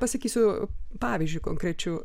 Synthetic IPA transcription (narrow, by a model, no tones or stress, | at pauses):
pɐsɐkʲiːsʲʊpɑːʋʲiːzʲd͡ʒʲʊɪkoŋkɾʲɛt͡ʃʲʊ